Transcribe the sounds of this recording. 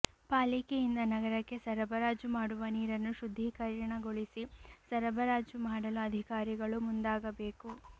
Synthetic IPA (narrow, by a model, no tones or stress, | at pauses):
paːlikeind̪ɐnɐɡɐɾɐkːe̞sɐɾɐbʱɐɾaːd͡ʒjumaːɽuʋɐniːɾɐnːuʃud̪ʱːikɐɾjɐɳɐɡoɭisisɐɾɐbɐɾaːd͡ʒumaːɽɐluɐd̪ʱikaːɾiɡɐɭumund̪aːɡɐbe̞ːku